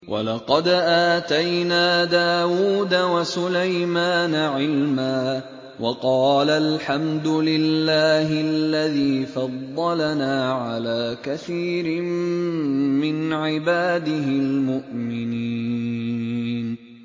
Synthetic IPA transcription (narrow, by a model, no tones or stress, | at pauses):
wʔɑ̰lɑqɑd̪ʔaːt̪ajnaːd̪aːwuːd̪awasʊlajmaːnaʕɪlmaː | wʔɑqɑːlalħamd̪ʊlɪlːaːɦɪalːaðiːfɑd̪ˤːɑlanaːʕalaːkaθiːɾɪm | mɪnʕɪbaːd̪ɪɦɪlmʊʔmɪni | n